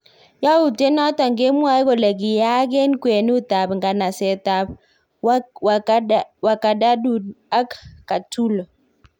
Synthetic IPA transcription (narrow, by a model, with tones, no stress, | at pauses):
ja˦u˨te˦nɔ˦tɔ˨ŋɡɪ˦mwa˦jko˨lɛ˨k̬i˨ja˦kɛ˦nkwe˨n˦u˦ta˨pŋɡa˨na˨sɛ˨ta˨p̚ | wwa˨ka˨da˦du˨da˦kːa˨tu˦l